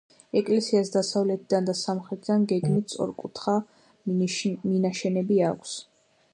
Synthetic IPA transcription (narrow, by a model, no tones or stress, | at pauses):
ɛkʼlɛsiasd̪asavlɛt̪ʰid̪and̪asamχɾɛt̪ʰd̪anɡɛɡmit̪sʼɔ̰ɾkʼut̪ʰχa | minaʃɛnɛbiakʷʰs